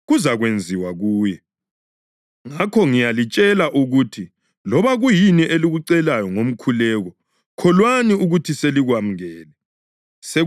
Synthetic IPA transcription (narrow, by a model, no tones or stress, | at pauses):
ɣuzaɣwend͡zʱiwaɣuːjɛ | ŋakʰɔŋijalit͡ʃʼɛlaʔuɣutʰi | lɔβaɣujiniʔeliɣuǀɛlajɔŋom̩kʰulɛɣɔ | kʰɔlwaniuɣutʰiseliɣwam̩ɛːlɛ | se